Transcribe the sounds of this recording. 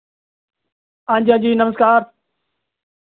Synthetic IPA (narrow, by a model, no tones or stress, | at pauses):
ãːɲd͡ʑãːd͡ʑiːnəməzkaːɾ